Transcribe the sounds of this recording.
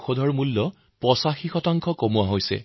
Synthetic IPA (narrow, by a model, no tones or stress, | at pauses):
xodʱɔɹmulːɔ | pɹɔsaxixɔtaŋkʰɔkomuwaɦojsɛ̰